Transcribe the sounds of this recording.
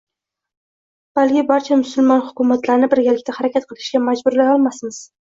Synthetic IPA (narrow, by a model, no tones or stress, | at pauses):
b̥alkʲɪbaɾt͡ʃʰamʊsʊlˠmɒnhʊkʲʊmat̪laɾnɪbɪɾɡʲalɪk̚ʲt̪ahaɾakʲat̪̚qʰɨlˠɪʃɡʲamad͡ʒbʊɾlaɒlˠmasmɪz̥